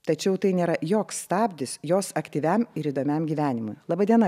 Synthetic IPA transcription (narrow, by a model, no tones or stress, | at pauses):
t̪ɐt͡ʃʲɛʊt̪ɐɪnʲeːɾɐjoːksst̪ɑːbʲd̪ʲɪsjoːsɐkt̪ʲiːʋʲæmɪɾiːd̪oːmʲæmɡʲiːʋʲæːnʲɪmʊjlˠɑːbɑːd̪ʲiɛnɐ